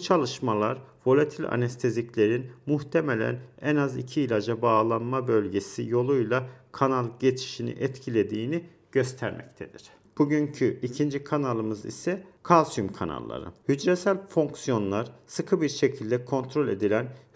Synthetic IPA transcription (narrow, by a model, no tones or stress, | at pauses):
but͡ʃʰalˠɯʃmalˠaɾvo̞lʲat̪ʰilʲa̰nɛst̪ʰeziclʲe̞ɾinmuht̪ʰemelʲæ̰nɛnazḭcʰiːlʲad͡ʒabaːlˠanmabø̞lʲɟe̞sijo̞lˠujlˠakʰanalˠɟe̞t͡ʃʰi̥ʃinḭʔɛt̪cʰilʲe̞d̪iːni | ɟ̥øst̪ʰæɾmɛ̰c̚t̪ʰe̞d̪̥iɾ̥ | b̥uɟyɲcʰyʔicʰind͡ʒikʰanalˠɯmɯzḭsɛkʰalˠsymkʰana̰lˠːa̰ɾɯ̰hyd͡ʒɾɛsælʲfoŋksijo̞nlˠaɾsɯkʰɯbiɾʃecʰilʲd̪ɛkʰo̞nt̪ɾo̞lʲe̞d̪ilʲæn